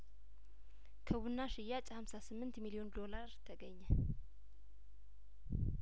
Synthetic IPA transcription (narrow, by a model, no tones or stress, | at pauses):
kʰəwunːaʃɪjat͡ʃʼhamsasɨmːɨnt̪milio̞nd̪o̞laɾt̪ʰəɡəɲːə